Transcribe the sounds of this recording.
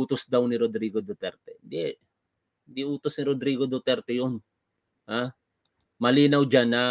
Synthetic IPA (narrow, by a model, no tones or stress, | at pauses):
uːt̪osd̪awnɪɾod̪ɾiːɡod̪ot̪ɛɾt̪ɛnd̪ɛ | nd̪iʔuːt̪osnɪɾod̪ɾiːɡod̪ot̪ɛɾt̪ɛjon | ha | mɐliːnɐwd͡ʒanɐ